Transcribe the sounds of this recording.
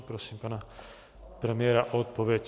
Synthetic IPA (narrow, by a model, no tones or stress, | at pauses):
pɾosimpana | pɾɛmiɛːɾaʔot̪̚poʋjec